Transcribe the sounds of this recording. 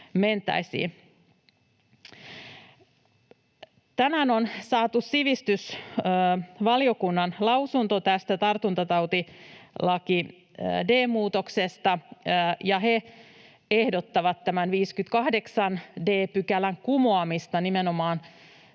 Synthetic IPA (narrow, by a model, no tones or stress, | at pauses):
ment̪æ̰isḭː | t̪æmænonsɑːt̪ussiʋist̪ys | ʋɑliokunːɑnlɑwsunt̪ot̪æst̪æt̪ɑrt̪unt̪ɑt̪ɑwt̪ilɑki | deːmuːt̪oksest̪ɑjɑhe | ehdot̪ːɑʋɑt̪tæmænʋiːskyt̪kɑhde̞ksɑnde̞ːpykælæŋkumoɑmist̪ɑnimenomɑːn